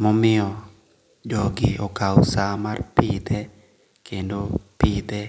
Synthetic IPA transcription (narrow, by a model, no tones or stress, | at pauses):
mɔmɪɔ | d͡ʒɔɡɪɔkawsamarpid̪ɛ | kʰendopid̪ɛ